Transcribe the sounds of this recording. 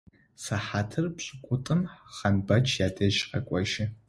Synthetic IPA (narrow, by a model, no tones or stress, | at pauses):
saħatʰɨrpɕʷʼɪkʷʼʊtʼɨmχɐnbɐt͡ʃʰjadɐʃqɐ̰kʷʼɔʒɪ